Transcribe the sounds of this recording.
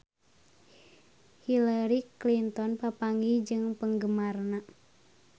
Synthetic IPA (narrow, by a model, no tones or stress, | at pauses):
hilaɾiklint̪ɔnpapaŋid͡ʒɨŋpəŋɡəmarna